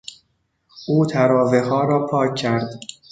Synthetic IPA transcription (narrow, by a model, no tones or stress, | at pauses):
ʔuːt̪ʰæɾɒːvehɒːɾɒːpʰɒːcʰːæɾd̪